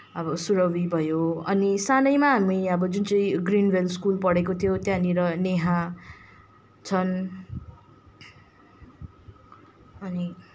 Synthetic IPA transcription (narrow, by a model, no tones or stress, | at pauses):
ʌbʌsuɾʌwibʱʌjoʌnisanʌjmaɦamijʌbʌd͡zunt͡sʌĩɡrinwelskulpʌɽekot̪ʰjot̪jãniɾʌneɦa | t͡sʰʌn | ʌni